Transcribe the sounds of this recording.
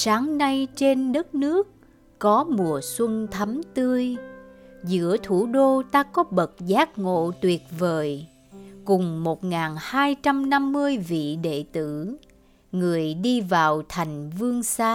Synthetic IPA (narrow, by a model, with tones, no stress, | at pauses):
saː˨˦ŋna˧jt͡ɕe˧nɗə˦˥t̚nɨ˦˥ək̚ː | ɔ˨˦mu˨˩əswə˧nt̪ʰə˨˦mt̪ɨ˧əj | zɨ̰˧˥ət̪ʰu˧˩ɗo˧t̪aː˧kɔ˨˦ɓə˨˩t̚zaː˦˥k̚ŋo̰˧˨t̪wi˨˩ət̚vəː˨˩j | kʊ˨˩ŋ͡mmo˨˩t̚ŋaː˨˩nhaː˧jt͡ɕa˧mna˧mːɨ˧əjvḭ˧˨ɗḛ˧˨t̪ɨ˧˩ | ŋɨ˨˩əjɗi˧vaː˨˩wt̪ʰa˨˩jŋ̟vɨ˧əŋsaː˧